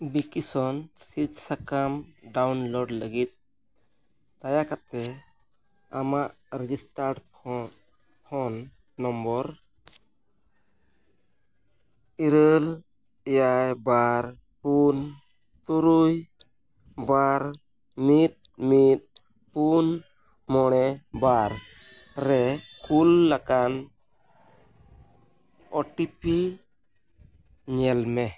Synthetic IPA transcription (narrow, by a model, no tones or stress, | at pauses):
bikisɔnsit̪̚sakamɖawnlɔɖləɡit̪̚ | t̪ajakat̪ɛ | amaʔ | ɾɛd͡ʒisʈaɾɖ | pʰɔnː | ɔmbɔɾ | iɾəl | ɛjajbaɾ | pun | t̪uɾuj | baɾ | mit̪̚mit̪̚ | pun | mɔɽ̃ɛbaɾː | ɛkʰulːakan | ɔʈipi | ɲɛlmɛ